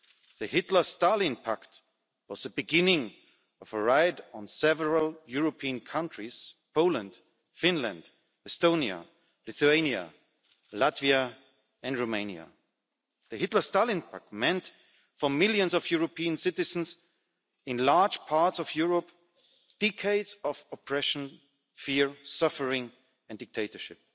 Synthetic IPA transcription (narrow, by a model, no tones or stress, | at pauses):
ðɨhɪtˡlə˞stalˠɪ̃npʰakt | wʌzðəbɨɡɪ̃nɪ̃ŋ | ʌv̥əɹaɪdn̩sɛvəɹəlˠjʊɹopʰiɨ̃nkʰʌ̃ntɹ̥iz̥pʰoʊlə̃nd̥ | fɪ̃nlɨ̰̃nd̥ | ɛstõʊ̃njə̰ | lɪθuẽɪ̃njɨ̰ | latviɨ | ɨ̃ndɹoʊmẽɪ̃nja̰ | ðɨhɪtlə˞stalɪ̃npa̰kmɛ̃nt | fə˞mɪlˠjɨ̃nsɔvjuɹopʰiɨ̃nsɪtɨzn̩s | ɪ̃nlaɹ̥d͡ʒ̥pʰaɹtsɔvjʊɹɔp | d̥ɛkʰeɪdzɔvɔpʰɹ̥ɛʃn̩ | fɪɹsʌfə˞ɪ̃ŋ | ɛ̃ndɪk̚tʰeɪtə˞ʃɪp̚